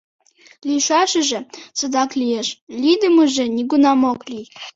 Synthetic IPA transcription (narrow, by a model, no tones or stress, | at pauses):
liʃʷaʃɨʒɐt͡sʰʼɨdakʼʰlijɛʃlidɨmɨʒɨniɡʷʊnamokʷʼlʲi